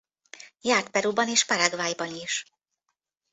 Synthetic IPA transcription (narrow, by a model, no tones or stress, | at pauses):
jaːrt̪̚pɛɾubɒneːʃpaɾaɡvaːjbɒniʃ